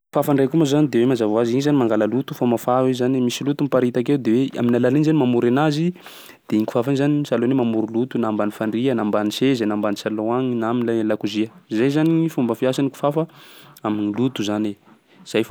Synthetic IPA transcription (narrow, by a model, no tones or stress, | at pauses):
fafaɳrekumazanid̪ewemazavaziɲizanimaŋɡaləlut̪ufamafawizanimisilut̪umpaɾit̪akewd̪ewea̰minalalinizanimamuɾanazi | d̪̥eiŋku̥fafanizanisalonemamuɾilut̪unambanifaɳɖ͡ʐiənambanisezanambanisaloaŋinaminlalakuziəizajzanifumbəfiasaniku̥fafəaminilut̪uzane | z̥aj